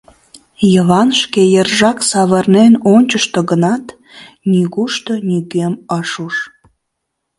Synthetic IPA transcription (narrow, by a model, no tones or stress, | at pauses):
jəβɑnʃkejərʒɑksɑβərnenonʲt͡ɕəʃt̪oɣənɑt̪ | nyɣuʃt̪onyɡeməʃuʃ